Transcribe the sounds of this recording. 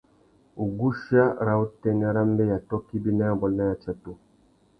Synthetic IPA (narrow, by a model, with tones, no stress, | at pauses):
u˨ɡu˦ʃa˦ɾa˨u˦tɛ˦˨nɛ˦ɾa˦m˦bɛ˦ja˨tɔ˦ki˦bi˦na˦a˦bɔ˨lna˦ja˨t͡ʃa˨tu˨